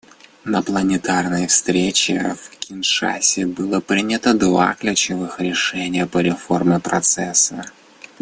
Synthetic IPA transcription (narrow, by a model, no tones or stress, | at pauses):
nəplˠənʲɪt̪arnəjəfst̪ɾʲet͡ɕɪ̰fkʲɪnʂa̰sʲɪbɨlˠəpɾʲinʲət̪əd̪va̰klʲʉt͡ɕɪvɨxɾʲɪʂɛnʲɪjəpəɾʲɪfo̞rmʲɪpɾɐt̪sɛsə